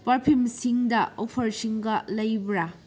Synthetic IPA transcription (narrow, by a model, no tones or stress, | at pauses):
pɐɾpʰimsiŋdɐopʰɐɾsiŋɡɐlɐjbɾa